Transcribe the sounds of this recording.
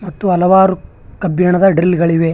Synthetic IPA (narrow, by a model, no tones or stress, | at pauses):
mɐt̪ːuɐlɐʋaːɾu | kɐbjɐɳɐd̪ɐɖɾilɡɐɭiʋe